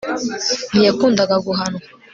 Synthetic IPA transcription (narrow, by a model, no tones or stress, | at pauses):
nijekuːndaɡaɡuɦano